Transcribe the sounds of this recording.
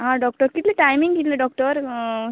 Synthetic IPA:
ɦãɖɔk̚ʈəɾkit̪leʈajmiŋɡʱit̪leɖɔk̚ʈəɾ

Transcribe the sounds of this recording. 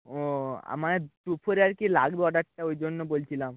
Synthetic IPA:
oa̰maeʈupʰoɾeaɾkila̰ɡbeɔɖaʈʈaojd͡ʒonːobolt͡ʃʰilam

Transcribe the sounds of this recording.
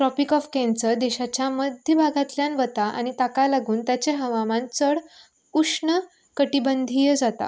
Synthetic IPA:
ʈɾɔpikɔfkɛ̃nsəɾd̪ɛɕat͡ɕjaməd̪ʱjəbʱaɡʱat̪ljanʋət̪aʔa̰ñit̪akalaɡuːnt̪jat͡ɕeɦəʋamãnt͡səɽ | uʂɳə | kəʈibənd̪ʱijəd͡zat̪a̰

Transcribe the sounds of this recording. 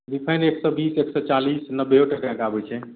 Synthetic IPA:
ɖipʰajneksɔbiseksɔt͡ʃalisnəbːeoʈəkaɡabɛt͡ʃʰɛ

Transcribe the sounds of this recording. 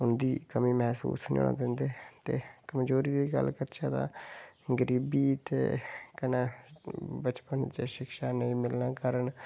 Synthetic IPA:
ʊnd̪iːkəmĩːmɛːsṵːsnḭ̃o̰ːna̰ːd̪end̪eːt̪eːkəmd͡ʒoːɾiːd̪iːɡə̰lkəɾt͡ʃaːd̪ã̰ːɡəɾiːbiːt̪ḛːkənaː | bət͡ʃpənd͡ʒeʃɪkʃaːnəĩːmɪlnãːkəɾəɳ

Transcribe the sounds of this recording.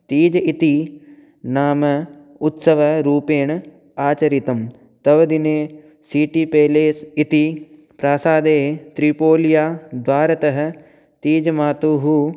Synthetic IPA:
t̪iːd͡ʒɐit̪i | naːmɐ | ut̪sɐʋɐɾuːpeːɳ | aːt͡ʃɐɾit̪ɐm | t̪ɐʋɐd̪ineː | siːʈipeːleːsit̪i | pɾaːsaːd̪eːt̪ɾipoːlijaːd̪ʋaːɾɐt̪ɐɦɐ̆ | t̪iːd͡ʒɐmaːt̪uːɦu

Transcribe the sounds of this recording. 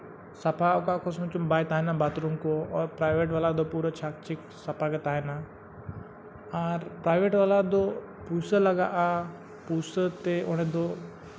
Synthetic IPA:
sɐpʰaʊkakʰosʊ̃t͡ʃumbaːjt̪aːenãbaːt̪ɾũŋkoɔːɾpɾaːɪʋeːʈʋalad̪opuːɾət͡ʃʰaːk̚t͡ʃɪk | sɐpʰaket̪aːɦena | aɾpɾaːɪʋeːʈʋalad̪o | puːsəlɐɡa̰ʔa | puːsət̪eʔoñẽd̪o

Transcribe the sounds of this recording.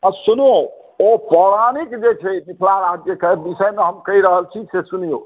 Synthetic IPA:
əsuno | opɔɾanikd͡ʒet͡ʃʰɛmikʰlaɾad͡ʒjəkəbisəjmeɦəmkəiɾəɦəlt͡ʃʰid͡ʒsesunijo

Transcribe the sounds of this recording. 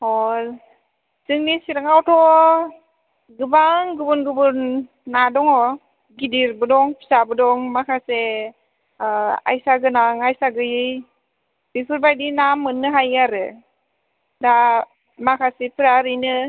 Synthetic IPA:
ɔ | z̥ɯŋnisiɾaŋawtʰɔ | ɡɯbaŋɡɯbɯnɡɯbɯnː | adɔŋɔ | ɡidiɾbɯdɔŋpʰi̥sabɯdɔŋmakʰase | a̰jsaɡɯnaŋajsaɡɯjɯj | b̥ipʰɯɾbajdinamɯnːɯɦajaɾɯ | da | makʰasepʰɯɾaɾɯjnɯ

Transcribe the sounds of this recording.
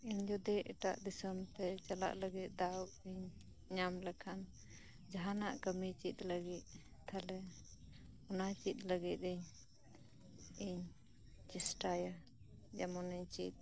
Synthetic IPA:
iɲd͡ʒɔd̪iɛʈa̰ʔd̪isəmt̪ɛt͡ʃala̰ʔləɡit̪̚ˀd̪aw | iɲ | ɲamlɛkʰan | d͡ʒaɦanaʔkəmit͡ʃit̪̚ləɡit̪̚ | t̪ʰalɛ | ɔnat͡ʃit̪̚ləɡit̪̚ˀiɲ | iɲ | t͡ʃisʈaja | d͡ʒamɔniɲt͡ʃit̪̚

